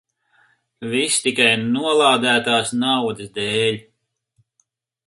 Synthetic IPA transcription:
vist̪ikajnuɔlˠaːd̪æːt̪aːsnawd̪ɨsd̪ɛːlʲ

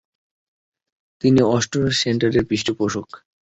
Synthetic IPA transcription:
t̪iniɔʃʈoɾseɳʈaɾeɾbɾiʃʈʰopoʃok

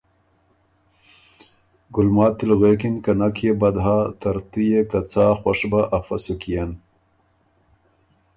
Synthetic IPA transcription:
ɡʊlmɑːt̪ːilɣeːkinkanakʰjebɐd̪ɦaːt̪ɐɾt̪ijekat͡saːxwaʂbaʔafɐsukijan

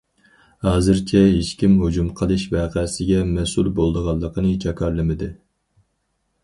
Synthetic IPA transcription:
hɑːzɨɾt͡ʃʰɛɦeʃkʲimɦod͡ʒumqʰəlˠɨʃvæːqʰæsɪɡʲɛmɛsulbolˠd̪əʁɑlˠːəqʰənɨt͡ʃʰɑkʰɑɾlˠɨmɪd̪ɨ

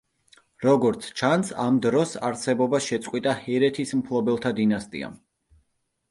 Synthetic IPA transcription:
ɾɔɡɔɾt̪sʰt͡ʃʰansamd̪ɾɔsaɾsɛbɔbaʃɛt̪sʼqʼwit̪ʼahɛɾɛt̪ʰismpʰlˠɔbɛlˠt̪ʰad̪inast̪ʼḭa̰

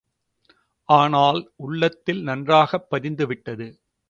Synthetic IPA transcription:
ʔaːnaːlʊɭːɐt̪ːɪlnɐndraːɣɐpːɐðɪnd̪ɯʋɪʈːɐðɯ

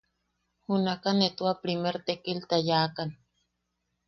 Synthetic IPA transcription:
hunakanet̪uapɾimeɾt̪ekilt̪ajakan

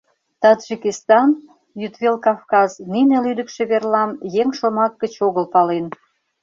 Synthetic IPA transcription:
t̪ɑd̪ʒikist̪ɑn | jyt̪βelkɑfkɑzninelyd̪əkʃĕβerlɑmjeŋʃomɑk̚ːə̆t͡ɕoɣəlpɑlen

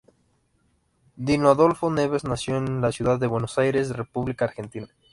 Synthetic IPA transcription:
d̪inoaðo̞lfo̞neβeznasjoenlasjuðaðːe̞βwe̞no̞sajɾe̞s̬re̞puβlikaɾxe̞nt̪ina

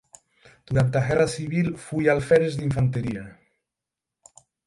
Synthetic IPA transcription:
d̪̥uɾant̪aɣɛrasiβ̞ilfujalfɛɾezðiɱfant̪eɾia

